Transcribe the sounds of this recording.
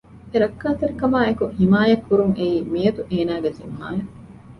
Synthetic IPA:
eɾɐkːaːt̪ɐɾikɐmaːekuhimaːjɐkːuɾuŋʔeiːmijɐt̪uʔeːnaːɡezimːa̰ːjɐ

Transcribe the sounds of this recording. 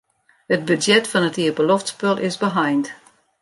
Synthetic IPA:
hət̚bydjɛtfɔnətiəbəloftspølˠʔɪzbəɦajnt

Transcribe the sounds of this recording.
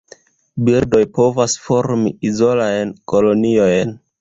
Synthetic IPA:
biɾdo̞jpo̞vasfo̞ɾmḭizo̞lajnko̞lo̞niojn

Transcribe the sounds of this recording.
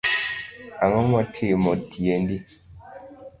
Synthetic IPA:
aŋɔmɔtʰemɔtʰiendi

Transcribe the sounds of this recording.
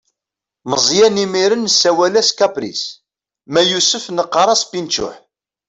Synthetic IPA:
məzˤjænimiɾənsːæwælæskæpɾḭs | mæjusəfnəqːɑɾˤɑspint͡ʃʊ̰ħ

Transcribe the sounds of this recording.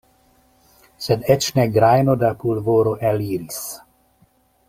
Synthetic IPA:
sɛnɛt͡ʃnɛɡɾajnod̪apulvoːɾoʔɛliːɾis

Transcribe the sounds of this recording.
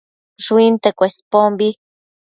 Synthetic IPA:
ʐwint̪ekʷespombi

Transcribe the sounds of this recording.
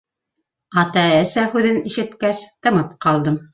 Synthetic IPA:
ɑt̪ɑæsæhʉðɘniʃɘ̆t̪kæst̪ɤ̆mɤpqɑlˠd̪ɤm

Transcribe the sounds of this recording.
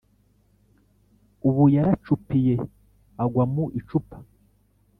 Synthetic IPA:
uβujaɾat͡ʃupije̞ | aɡwamuʔit͡ʃupḁ

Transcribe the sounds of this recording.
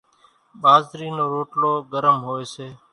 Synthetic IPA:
ɓaːzɾiːnoːɾoːʈloːɡəɾəmɦoːeːseː

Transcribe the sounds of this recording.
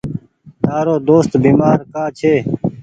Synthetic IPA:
t̪aːɾoːd̪oːst̪biːmaːɾkaːt͡ʃʰeː

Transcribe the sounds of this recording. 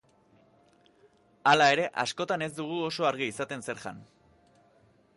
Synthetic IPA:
alae̞ɾe̞ʔasko̞t̪ane̞zd̪uɣ̞uo̞so̞aɾɣ̞iːsat̪e̞nse̞ɾʝa̰n

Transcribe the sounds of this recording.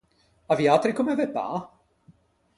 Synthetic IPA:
avjat̪ɾikomɛvɛpa̰

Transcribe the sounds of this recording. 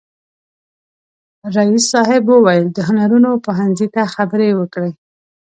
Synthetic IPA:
ɾaisːɑɦɪbwəwajəld̪əɦʊnaɾunopoɦanzit̪axabəɾewəkɽe

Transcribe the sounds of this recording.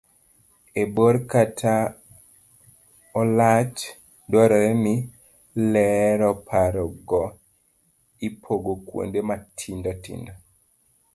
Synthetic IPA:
eboɾkatʰa | ɔlat͡ʃ | dwɔɾɔɛmi | lɛɾɔpʰaɾɔɡɔ | ipʰoɡokwo̰ndematʰindɔtḭndɔ

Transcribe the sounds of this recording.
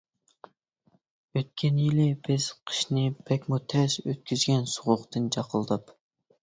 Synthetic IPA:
øt̪̚kʲʰɛnjilɪb̥ɪz̥qʰə̥ʃnɪbʰɛkʲmut̪ʰɛʃøt̪̚kʲyzɡʲɛnsʊʁʊqt̪ɨnt͡ʃʰɑqʰəlˠd̪ɑp

